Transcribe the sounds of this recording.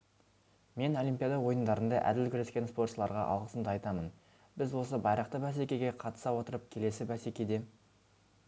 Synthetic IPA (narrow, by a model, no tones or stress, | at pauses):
me̞no̞lˠijmpʲijad̪ɑwo̞jənd̪ɑɾənd̪ɑʔæ̰d̪ɪlkʲʰʏɾe̞skʲe̞nspo̞rt̪ʃəlˠɑɾʁɑ̰ʔɑ̰lˠʁəsəmd̪əɑjt̪ɑmən | bɪzwo̞səbɑjɾəq̚t̪əbæs̬ekʲe̞ɡʲe̞qʰɑt̪ə̥sɑwo̞t̪əɾəp̚kʲʰe̞le̞sɪbæsekʲejd̪e̞